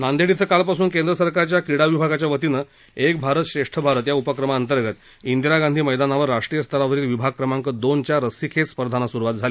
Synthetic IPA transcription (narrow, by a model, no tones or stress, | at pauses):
nand̪eɽit͡səkalpasuːnkend̪ɾəsəɾkaɾt͡ɕjakɾiɽaʋibʱaɡat͡ɕjaʋət̪inə | ek̚bʱaɾət̪ɕɾeʂʈʰəbʱaɾət̪jaupəkɾəmaənt̪əɾɡət̪ | ind̪iɾaɡand̪ʱiːməjd̪anaʋəɾːaʂʈɾijəst̪əɾaʋəɾiːlʋibʱaɡ̚kɾəmaŋkəd̪ont͡ɕjaɾəsikʰespəɾd̪ʱanasuɾuʋat̪̚d͡zʱali